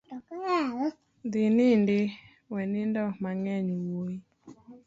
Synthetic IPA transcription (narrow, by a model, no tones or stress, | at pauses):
d̪ɪnɪndɪ | wɛnɪndɔmaŋɛɲwoi